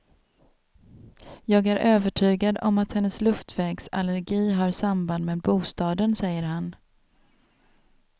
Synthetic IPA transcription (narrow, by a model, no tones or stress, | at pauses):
jɑːɡæɾʔøːvəʈʰyːɡad̪ɔmat̪hɛnːəslɵft̪ʰvɛːɡsa̰læɾɡiːɦaɾsamband̪meːbuːst̪ɑːd̪ənsɛjːəɾɦan